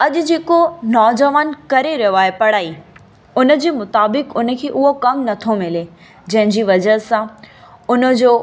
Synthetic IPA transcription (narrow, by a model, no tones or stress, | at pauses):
ɐʄʊ̆d͡ʑeːkonɔːd͡ʑəʋaːnkɐɾeɾɐjoaːepɐɽ̤aːi | ʊnə̆d͡ʑiːmʊt̪aːbɪkʊnə̆kʰeːʔʊɦokɐ̃ŋnɐt̪ʰomɪle | d͡ʑɐ̃ɦɪ̃ɲd͡ʑiːʋɐd͡ʑəɦsãʊnə̆d͡ʑoː